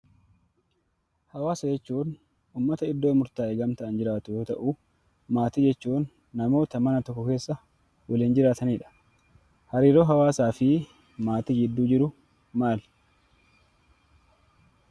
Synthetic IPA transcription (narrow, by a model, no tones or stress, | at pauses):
hɐwaːsɐd͡ʒɛt͡ʃːuːn | ʔuːmːɐt̪ɐɪd̪ːoːmʊɾt̪aːʔeɡɐmt̪ɐʔɐnd͡ʒɪɾaːt̪ʊjo̞ːt̪ɐʔʊ | maːt̪id͡ʒɛt͡ʃːuːnː | ɐmo̞ːt̪ɐmɐnɐt̪ɔkːɔke̞ːsːɐ | wɐliːnd͡ʒɪɾaːt̪ɐniːᶑɐ̥ | hɐɾiːɾo̞ːɦɐwaːsaːfɪ | maːt̪id͡ʒɪd̪ːuːd͡ʒɪɾʊ | maːl